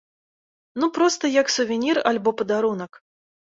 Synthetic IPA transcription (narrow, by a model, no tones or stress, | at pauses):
nupɾɔst̪ɐjɐksuvʲinʲiralʲbɔpɐd̪aɾunɐk